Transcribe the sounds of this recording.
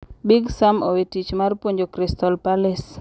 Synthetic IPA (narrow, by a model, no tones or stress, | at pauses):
biɡsamowetit͡ʃmarpwoɲd͡ʒokɾistɔlpalɪs